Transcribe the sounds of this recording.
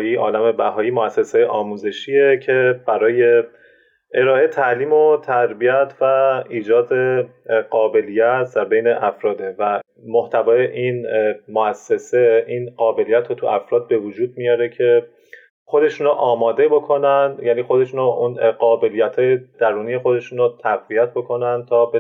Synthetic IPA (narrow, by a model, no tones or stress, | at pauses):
iːʔɒːlæme̞bæɦɒːiːmoæsːesejeʔɒːmuːze̞ʃiːecʰe̞b̥æɾɒːje̞ | ʔe̞ɾɒːe̞t̪ʰæliːmot̪ʰæɾbiæt̪ʰvæiːd͡ʒɒːd̪eɡɒːbe̞lijæt̪ʰd̪æɾbe̞jne̞ʔæfɾɒːd̪e̞væ | moht̪ʰævɒːjeʔinmoæsːese̞ʔiːnɢɒːbe̞lijæt̪ʰɾot̪ʰuæfɾɒːd̪̚be̞vod͡ʒuːd̪mijɒːɾe̞cʰe̞ | xo̞d̪e̞ʃuːnoʔɒːmɒːd̪e̞bo̞kʰo̞nænd̪jæːniːxod̪e̞ʃuːnoʔunɢɒːbe̞lijæt̪ʰhɒːjed̪̥æɾuːnije̞xod̪e̞ʃuːnot̪ʰæɣviæt̪̚ʰbo̞kʰo̞nænd̪̚t̪ʰɒːbe